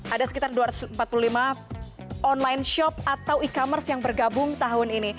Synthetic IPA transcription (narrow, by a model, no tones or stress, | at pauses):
ʔadasəkit̪arduaɾat̪səmpat̪̚pululima | ɔnlajnʃɔp̚at̪awikamərsjaŋbərɡabʊŋt̪aɦʊnini